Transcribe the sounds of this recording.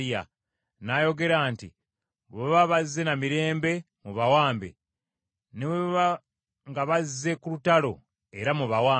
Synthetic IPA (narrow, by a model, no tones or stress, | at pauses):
ja̰ | najoɡe̞ɾaːntḭ | weβaβazːe̞namiɾe̞ːmbe̞ | muβawaːmbḛ | neweββa | ŋɡaβazze̞kulutalo̞ | e̞ɾamuβawaː